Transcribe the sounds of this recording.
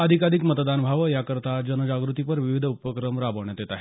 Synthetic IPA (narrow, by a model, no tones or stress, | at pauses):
əd̪ʱikaɾikmət̪d̪anbʱaʋəjakəɾt̪ad͡ʑənəd͡ʑaɡɾut̪ipəɾʋiʋid̪ʱupəkɾəmɾabəʋɳjat̪jet̪aɦe